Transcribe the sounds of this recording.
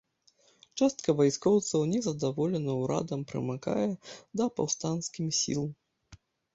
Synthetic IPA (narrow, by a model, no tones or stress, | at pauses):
t͡ʂast̪̚kɐvajskɔwt̪sɐwnʲɛzɐd̪avɔlʲɛnɐwɾa̰d̪ɐmpɾɨ̰maka̰jɛd̪ɐpa̰wst̪anskʲimsʲḭlˠ